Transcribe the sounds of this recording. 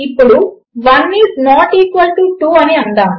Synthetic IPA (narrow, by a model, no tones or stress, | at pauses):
ipːuɽu | ʋɐnːiːsnɔːʈiːkʋɐlʈuʈuːɐniɐnɖ̪aː